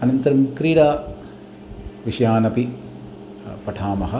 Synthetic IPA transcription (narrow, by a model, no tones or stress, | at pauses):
ɐnɐnt̪ɐɾɐmkɾiːɾaː | ʋiʃɐjaːnɐpi | pɐʈʰaːmɐɦɐ̆